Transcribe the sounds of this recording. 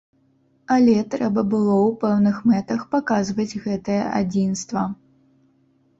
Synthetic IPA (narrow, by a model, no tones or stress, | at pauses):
alʲɛt̪ɾɛbɐbɨlˠɔwpɛwnɨxmɛt̪ɐxpakazvɐd͡zʲɣɛt̪ɐjɐʔa̰d͡zʲinst̪vɐ